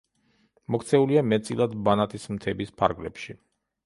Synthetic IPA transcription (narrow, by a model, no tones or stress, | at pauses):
mɔkʰt̪sʰɛuliamɛt̪sʼilˠad̪banat̪ʼismt̪ʰɛbispʰaɾɡlɛ̰pʃi